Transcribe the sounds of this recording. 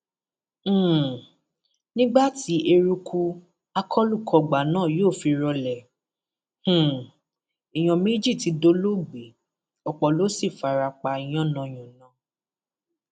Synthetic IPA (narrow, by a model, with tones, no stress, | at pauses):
nĩ˦ɡ͡ba˦˨ti˨˦ʔe˧ɾu˧kʰu˧ | a˧kʰɔ˦lu˦˨kʰɔ˨ɡ͡ba˨nãː˦˨joː˦˨fi˧ɾɔ˧lɛ˨ | h̩˨ | i˨j̃ɔ̃˨mĩ˦d͡ʒi˦˨ti˨˧do˧˦lo˦ɡ͡be˨˦ | ɔ˨k͡pɔ˨lo˨˦si˦˨fa˨ɾa˧k͡pa˧i˧˨j̃ɔ̃˦˨nã˧˨j̃ɔ̃˨nã˨˦